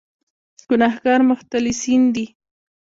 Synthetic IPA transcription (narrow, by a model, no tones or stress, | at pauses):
ɡ̥ʊnahɡaɾməχt̪alɪsind̪i